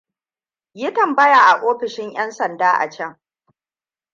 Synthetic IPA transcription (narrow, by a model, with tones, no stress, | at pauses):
jɪ˦tɐ˨mbɐ˦ja˨ʔa˨ʔoː˦ɸɪ˨ʃɪ˦ɲj̰ɐ˦nsɐ˨ndaː˦ʔa̰˨t͡ʃɐ˦˨ŋ